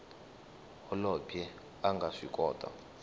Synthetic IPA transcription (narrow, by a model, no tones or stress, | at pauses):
ɔlɔpʰjɛ | aŋɡʱaʂikʼɔːtʼa̰